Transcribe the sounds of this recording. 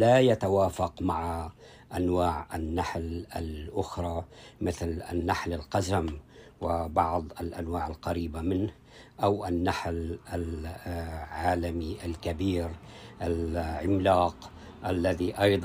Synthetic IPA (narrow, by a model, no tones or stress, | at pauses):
lajat̪awaːfaqmaʕa | ʔanwaːʕanːaħlalʔʊxɾˤɑːmɪθlanːaħlalqazam | wɪbɑʕd̪ˤalʔanwaːʕalqaɾiːbamɪnh | ʔawʔanːaħlal | ʕaːlamiʔalkabiːɾʔalʕɪmlaːq | ʔalːaðiʔɑjd̪ˤ